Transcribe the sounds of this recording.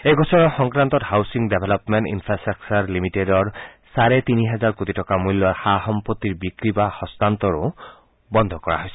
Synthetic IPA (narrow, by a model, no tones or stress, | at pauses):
ejɡʱɔsɔnɔxɔŋkɹant̪ɔthawsiŋdebʱelɔpmɛnʈḭnfʰɹasaksaɹlimitedɔɹsaɹɛt̪iniɦɛzaɹkut̪itɔkamulːɔxaɦɔmpot̪ːiɹbikɹibaxɔstant̪ɔɹʊ | bɔnd̪ʱɔkɔɹa̰ɦojsɛ